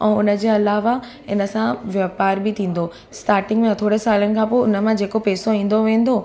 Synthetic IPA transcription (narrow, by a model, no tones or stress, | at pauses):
ɛ̰̃ːʊnə̆d͡ʑeːɐlaːʋa | ɪ̰nəsãʋjaːpaːɾbɪt̪ʰĩːn̆d̪o | sʈaːɾʈɪ̃ŋɡmẽɐt̪ʰoːɽesaːlənɪ̆kʰãpoːʊnə̆mãd͡ʑeːkopɛːsoĩːn̆d̪oʋẽːn̆d̪o